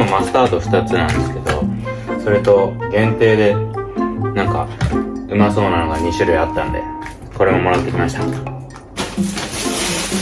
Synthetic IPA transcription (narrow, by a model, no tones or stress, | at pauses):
momasɨ̥t̪aːt̪oɸɯ̟̥t̪at͡sɨnãnd̪e̞sɨ̥ke̞d̪o̞̰ | so̞ɾet̪o̞ɡẽ̞nt̪e̞ːd̪e̞ | nãŋka̰ɯ̟maso̞ːnano̞ɡaɲ̟iɕɨɾɯ̟iat̪ːã̰nd̪e̞̰ | ko̞ɾe̞mo̞mo̞ɾat̪ːe̞kʲimaɕi̥t̪a